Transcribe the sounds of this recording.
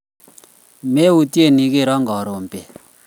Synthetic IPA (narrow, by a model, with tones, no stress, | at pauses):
me˦u˨ti˦e˦˨ni˨ke˦˨ɾɔ˦ŋɡɔ˨ɾɔ˨m˨pɛ˨